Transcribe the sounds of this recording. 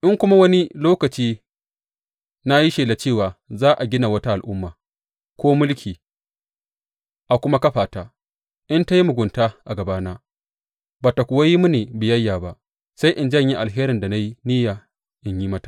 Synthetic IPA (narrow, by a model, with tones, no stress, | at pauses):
ʔɪ˦ŋkʷʊ˦ma˦wɐ˦ni˦loː˦kɐ˨t͡ʃiː˦ | na˦ji˦ʃeː˨la˨t͡ʃeː˦˨waː˨zaː˦ʔa˨ɡʲɪ˦na˨wɐ˦ta˦ʔa˨lʔʊ˦mːaː˨ | kʷoː˦mʊ˦lkʲiː˨ | ʔa˨kʷʊ˦ma˦kɐ˦ɸaː˨ta˨ | ʔɪ˦nta˦ji˦mʊ˨ɡʷʊ˨ntaː˦ʔa˨ɡɐ˨baː˦naː˦ | baː˨ta˨kʷʊ˨wa˦ji˦mu˦neː˨bɪ˨jɐ˦jːaː˨ba˦ʔ | sa˦jʔɪ˨nd͡ʒɐ˦ɲji˦ʔa˨lɦeː˦ɾɪ˨nda˨na˦ji˦nɪ˦ja˨ | ʔɪ˨ɲji˦mɐ˦tḁ˨